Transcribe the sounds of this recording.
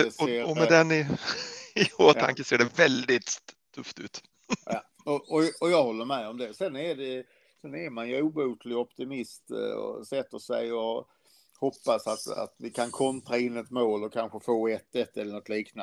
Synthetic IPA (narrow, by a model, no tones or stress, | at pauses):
ɛseːɾɔmɛd̪ɛnːɪ | ɪoːt̪ʰa̰ŋkəseːɖɛvɛld̪ɪt̪ʰː | ɵft̪ʉ̟ːt̪ː | ɔʔɔɔjɑɡhɔlːəɾmɛɔmd̪ɛsɛnːæɖɛ | sɛnæɾmanjʉuːbuːt̪lɪɡɔpt̪ɪmɪst̪ɔ̰sɛt̪ːəʂɛ̰jɔ | hɔpːasat̪a̰t̪vɪkʰankʰɔnt̪ɾaɪnːɛt̪moːlɔkʰanɧəfoːɛt̪ːɛt̪ːɛlːəɳɔt̪liːkna